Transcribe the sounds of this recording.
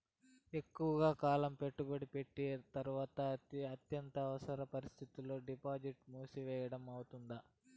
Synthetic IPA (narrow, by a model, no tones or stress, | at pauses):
e̞kːuʋɐɡaːkaːlɐmpe̞ʈːubɐɽipe̞ʈːit̪ɐɾuʋaːt̪ɐɐt̪jɐnt̪ɐːʋɐsɐɾɐpɐɾist̪ʰit̪ulːo̞ːɖipaːd͡ʒiʈmuːsiʋɛːjɐɽɐmɐwut̪und̪ɐ